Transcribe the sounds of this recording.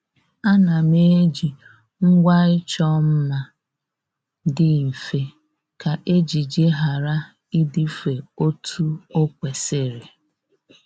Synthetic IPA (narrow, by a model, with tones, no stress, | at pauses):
a˦na˨me˦d͡ʒi˨ | ŋ̩˦ɡʷa˦ɪ˦t͡ʃɔ˦m̩˦ma˦ | dɪ˦i˨fe˦ | ka˨ʔe˦d͡ʒi˨d͡ʒe˦ɦa˨ɾa˦ | i˦di˦fe˨o˦tʰu˦o˦kʷe˨sɪ˦˨ɾɪ˨